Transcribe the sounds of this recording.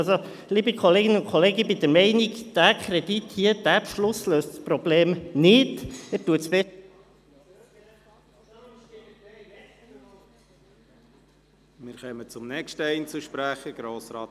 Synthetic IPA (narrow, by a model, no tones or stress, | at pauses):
so | liːbəkʰɔleːɡɪnəʊnkʰχoleːɡəbid̪əɾmɛɪnikd̪̥ækʰɾɛd̥ithiəd̥æpʃlʊsløːstspɾɔbleːmnɪtætuətsbɛ | mɪɾχœmət͡sʊmnɛkʃtəɛɪnt͡suʃpɾæχəɡ̥ɾoːsɾɑːt